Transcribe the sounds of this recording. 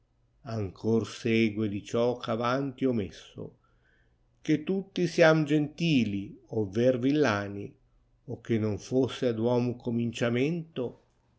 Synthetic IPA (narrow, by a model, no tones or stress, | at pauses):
aŋkʰorsɛːɡwed̪it͡ʃɔkʰavant̪iɔmesːo̰ | k̟et̪ːut̪ːisjamd͡ʒent̪iːliovervilːaːni | okːenːoɱfosːead̪wɔːmukomint͡ʃament̪o